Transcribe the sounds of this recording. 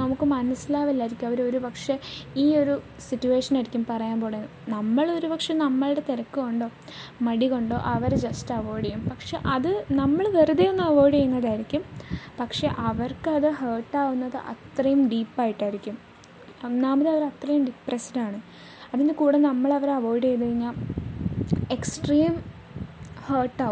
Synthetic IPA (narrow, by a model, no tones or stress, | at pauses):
nɐmukːɨmɐnɐsilaːʋɐlːaːjiɾikʲːumɐʋɐɾo̞ɾupɐkʂe̞iːo̞ɾu | sitːue̞ːʂɐnajɾikʲːumpɐrɐjaːmbo̞ːɽenːɨnɐmːɐɭo̞ɾupɐkʂe̞nɐmːɐɭɽe̞t̪eɾɐkːɨko̞ɳɖo̞ːmɐɽiko̞ɳɖo̞ːʔɐʋɐɾd͡ʑɐstɐʋoːɽɐjumpɐkʂe̞ʔɐðɨnɐmːɐɭʋeruðijonːɨɐʋo̞ːjɽiɐjunːɐðaːjɾikʲːumpɐkʂe̞ʔɐʋɐrkɨɐðɨheːʈːaːʋunːɐðɨʔɐ̰t̪rɐjumɖiːpːaːjiʈːaːjiɾikʲːum | naːmɐðeɐʋɐɾɐt̪rɐjumɖipːrɐsiɾaːɳɨ | ɐðindekuːɽenɐmːɐɭɐʋɐɾɐʋoːjɖejðɐɾiɲːaː | eksʈriːm | hɐːʈːaːʋ